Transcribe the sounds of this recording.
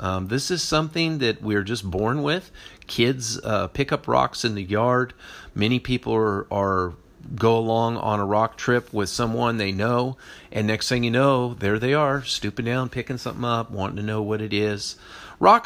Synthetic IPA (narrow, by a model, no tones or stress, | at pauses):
ʔʌ̃ðɪsɨz̥sʌ̃mθɪ̃ŋðɨt̚wiə˞d͡ʒʌsb̥ɔɹnwɪð̥kʰɪdzʌpʰɪkʌpʰɹɑ̰ksɨ̃nðɨjɑɹd̚mɛñipʰipl̩ˠə˞ | ɡoʊəlɔ̃ŋə̰̃nəɹɑk̚tʰɹ̥ɪpʰwɪð̥sʌ̃mwʌ̃nðeɪnoʊʔɨ̃nːɛkstseɪɪ̃ŋjɨnoʊðə˞ðeɪə˞stʉpɨ̃ŋdãʊ̃npʰɪkɪ̃ŋsʌ̃mθɪ̰̃ŋʌp̚wɑ̃ntɪ̃ŋtʰɨnoʊwʌɾɨɾɪz̥ | ɹɑk